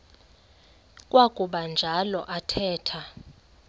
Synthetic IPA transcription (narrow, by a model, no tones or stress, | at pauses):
kʼwakʼuɓand͡ʒʱalɔʔatʰɛːtʰa